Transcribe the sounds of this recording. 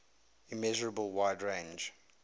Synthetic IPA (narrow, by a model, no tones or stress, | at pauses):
ɪmɛʒəɹəbəlˠwaɪdɹẽɪ̃nd͡ʒ